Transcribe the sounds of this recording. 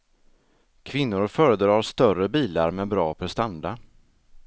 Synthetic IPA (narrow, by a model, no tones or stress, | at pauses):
kʰvɪnːʊɾfœːɾəd̪ɾɑːɾst̪œɾəbiːla̰ɾmɛbɾɑːpʰɾɛst̪and̪a